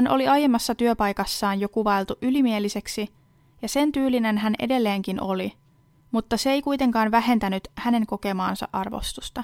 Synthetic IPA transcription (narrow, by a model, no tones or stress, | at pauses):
ænʔo̞̰liɑje̞mːɑsːɑt̪yøpɑjkɑsːɑːnjo̞kuʋɑelt̪uʔylimie̞lise̞ksi | jɑse̞nt̪yːline̞nɦænʔe̞̰de̞lːe̞ːŋkino̞li | mut̪ːɑseejkujt̪e̞ŋkɑːnʋæɦe̞nt̪ænyt̪hæne̞ŋko̞ke̞mɑːnsɑ̰ʔɑrʋo̞̰st̪ust̪ɑ